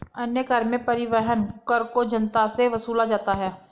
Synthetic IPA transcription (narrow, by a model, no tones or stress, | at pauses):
ɐnjəɡɐɾmẽpɐɾɪʋɛɦənkəɾkod͡ʒɐnt̪aseʋɐsuːlad͡ʒaːt̪aɦɛː